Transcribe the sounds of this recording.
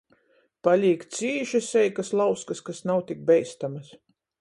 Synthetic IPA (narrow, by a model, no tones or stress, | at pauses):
palʲiːkt̪siːʃɐsʲɛjkaslˠawskɐskasnawt̪ik̚bɛjst̪amɐs